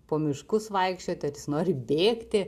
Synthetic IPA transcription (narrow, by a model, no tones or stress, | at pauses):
poːmʲɪʃkʊsʋɐɪkʃʲt͡ʃʲoːt̪ʲɐtjɪsnoːɾʲɪbʲeːkt̪ʲɪ